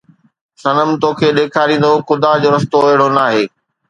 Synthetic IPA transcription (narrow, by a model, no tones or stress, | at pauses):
sɐnəmt̪oːkʰeːɗeːkʰaːɾĩːn̆d̪oxʊd̪ad͡ʑoːɾɐst̪oeɦɪɽonaːɦeː